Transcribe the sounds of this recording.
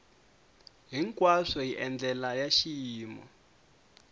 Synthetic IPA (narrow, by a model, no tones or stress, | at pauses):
ɦiŋkʼwaʂɔjiʔɛnd͡ɮɛlajaʃijiːmɔ̰